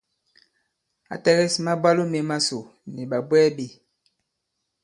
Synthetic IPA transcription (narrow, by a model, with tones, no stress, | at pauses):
a̰˨tɛ˦ɣɛ˦sma˦ba˦lo˦me˨ma˦so˨ | ni˨ɓa˨bwɛ˦bi˨